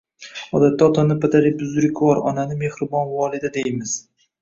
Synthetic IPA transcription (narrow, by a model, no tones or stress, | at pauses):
ɒd̪at̪ːaɒt̪ʰɒnɪpat̪aɾɪbʊzɾɪkʲvɒɾɒ̰nanɪme̞hɾɪbɒnvɒlˠɪd̪ad̪e̞jmɪz̥